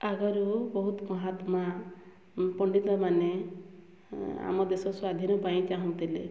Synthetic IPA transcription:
aɡɔɾubɔɦut̪ɔmɔɦat̪ma | pɔɳɖit̪ɔmane | a̰mɔd̪esɔswad̪ʱinɔpaĩt͡ʃaɦũt̪ilḛ

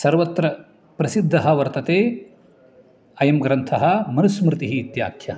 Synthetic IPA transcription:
sɐɾʋɐt̪ɾɐ | pɾɐsid̪ʱːɐɦɐ̆ʋɐɾt̪ɐt̪eː | ɐjɐmɡɾɐnt̪ʰɐɦɐ̆mɐnusmɾɪt̪iɦiːt̪ja̰ːkʰjɐ

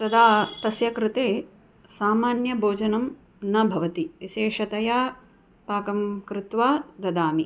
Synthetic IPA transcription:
t̪ɐd̪aːt̪ɐsjɐkɾɪt̪eː | saːmaːnjɐbʱoːd͡ʒɐnɐm | nɐbʱɐʋɐt̪iʋiʃeːʂɐt̪ɐjaː | paːkɐmkɾɪt̪ʋaːd̪ɐd̪aːmi

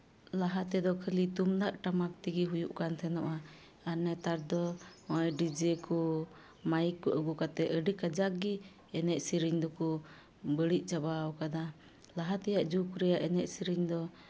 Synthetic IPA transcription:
laɦat̪ɛd̪ɔkʰəlit̪umd̪aʔʈamak̚t̪iɡiɦujuʔkant̪ʰɛnɔʔa | anːɛt̪aɾd̪ɔɔjɖid͡ʒɛku | majikːɔʔəɡukat̪ɛʔəɖikad͡ʒakɡi | ɛnɛʔ̚siɾiɲd̪ɔku | bəɽic̪̚ˀt͡ʃabawkad̪a | laɦat̪ɛjaʔd͡ʒukuɾɛjaʔɛnɛʔ̚siɾiɲd̪ɔ

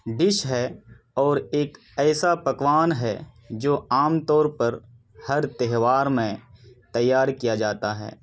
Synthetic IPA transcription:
ɖɪʃɦɛ | ɔːɾeːk | ɛːsapɐkwaːnɦɛ | d͡ʒoːaːmt̪ɔːɾpɐɾ | hɐɾt̪ɛɦʋaːɾmẽt̪ɐjːaːɾkijad͡ʒaːt̪aɦɛ̰ː

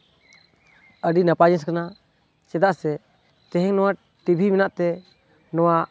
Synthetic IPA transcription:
əɖinapad͡ʒɛnskana | t͡ʃɛd̪aʔsɛ | t̪ɛɦɛŋnɔwa | ʈibʱimɛnaʔt̪ɛ | nɔwa

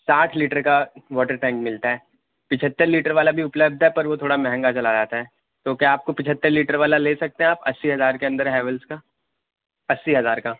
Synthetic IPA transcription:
saːʈʰliːʈəɾkaʋɔːʈəɾʈɛ̃ːŋkmɪlt̪aɦɛː | pɪt͡ʃʰət̪ːəɾliːʈəɾʋaːlabʱiʊpləb̚d̪ʱɦɛpɐɾʋot̪ʰoːɽamɛɦɛ̃ŋɡat͡ʃɐlad͡ʒaːt̪aɦɛː | t̪oːkjaaːp̚kopɪt͡ʃʰət̪ːəɾliːʈəɾʋaːlaleːsɐk̚t̪ẽɦɛ̃aːpɐ̰sːiɦɐzaːɾkeɐ̃nd̪əɾɦɛɦɛːʋəlska | ɐsːiɦɐzaːɾkaː

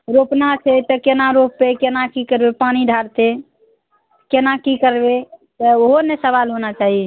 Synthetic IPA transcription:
ɾopnat͡ʃʰɛt̪ɔkenaɾopːekenakikəɾbepañiɖʱaɾt̪e | kenakikəɾbet̪ɔoɦonesəβalɦonat͡ʃaɦie

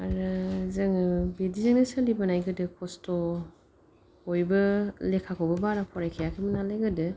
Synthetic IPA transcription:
aɾɯzɯŋɯbedizaŋnɯsɯlibanajɡɯdɯkʰɔstɔ | hojbɯlekʰakʰɔwbɐbaɾapʰɔɾajkʰejakʰemənaleɡɯdɯ

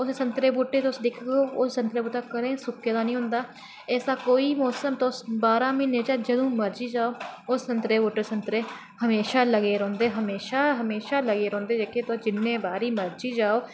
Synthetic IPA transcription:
ʊssənt̪ɾeːbuːʈːeːt̪ːʊsd̪ɪkʰɡoːʊssənt̪ɾeːbuːʈ̪aːkəɾẽːsʊkːeːd̪aːnəĩːɦʊ̃ːnd̪aː | ɛːsaːkoːiːmɔːsəmt̪osbaːɾãːmɪnẽːt͡ʃaːd͡ʒəd̪õːməɾd͡ʒiːd͡ʒaːoːʊsːənt̪ɾeːbuːʈːeːsənt̪ɾeː | həmeːʃaːləɡeːɾõːnd̪eːɦəmeːʃaːɦəmeːʃaːləɡeːɾõːnd̪eːd͡ʒeːket̪od͡ʒɪnːẽːbaːɾiːməɾd͡ʒiːd͡ʒaːoː

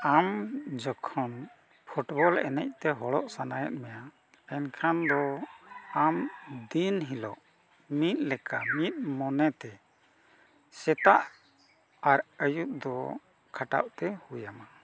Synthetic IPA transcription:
amd͡ʒɔkʰɔn | pʰuʈbɔlɛ̰nɛ̰c̚t̪ɛɦɔɽɔʔsanajɛ̰t̪̚mɛja | ɛnkʰand̪ɔ | amd̪inɦilɔ̰ʔ | mit̪̚ˀlɛkamit̪̚mɔnɛt̪ɛ | sɛt̪aʔ | aɾəjut̪̚d̪ɔ | kʰaʈa̰ʔt̪ɛhujama

